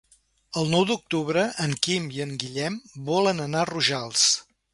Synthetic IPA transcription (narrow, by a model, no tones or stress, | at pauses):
əlˠnɔwd̪uk̚t̪uβɾəʔəŋkimiəŋɡiʎɛmbɔlənənaruʒalˠs